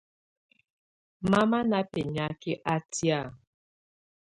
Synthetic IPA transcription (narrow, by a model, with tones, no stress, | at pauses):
ma˦ma˦na˦pe˨ɲa˨kɪ˦ʔa˦ti˦a˦˨